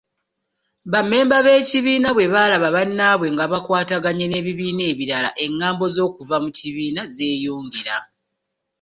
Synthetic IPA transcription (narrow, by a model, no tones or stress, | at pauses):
βame̞ːmbaβe̞ːciβiːnaβwe̞βaːlaβaβanːaβwe̞ŋɡaβakwaːtaɡaɲene̞ːβiβiːne̞ːβiɾala̰ʔe̞ŋːaːmbo̞zo̞ːkuvamuciβiːnaze̞ːjuːŋɟiɾa